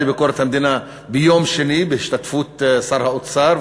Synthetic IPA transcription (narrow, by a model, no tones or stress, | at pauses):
libɪkʊɾˤat̪hamd̪ina | bɪjoːmʃɪniːbɪhɪʃt̪at̪fuːt̪sˤɑɾˤhaʔʊt̪sˤɑːɾˤ